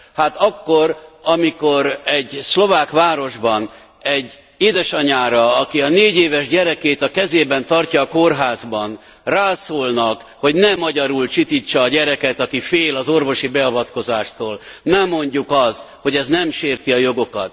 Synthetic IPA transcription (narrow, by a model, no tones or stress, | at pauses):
haːt̪ɒkːo̞rɒmiko̞ɾɛɟslo̞vaːkʋaːɾo̞ʒbɒn | ɛɟː | eːd̪ɛʃɒɲaːɾɒɒkiɒneːɟeːvɛʒɟɛɾɛkeːt̪ɒkɛzeːbɛnt̪ɒrcɒːko̞rɦaːzbɒn | raːsoːlnɒk | ho̞ɟnɛmɒɟɒɾult͡ʃit̪iːt͡ʃːɒːɟɛɾɛkɛt̪ɒkifeːlɒzo̞rvo̞ʃibɛɒvɒt̪ko̞zaːʃt̪oːlnɛmːo̞ɲɟukɒst̪ho̞ɟɛznɛmʃeːrt̪iɒjo̞ɡo̞kɒ̰t̪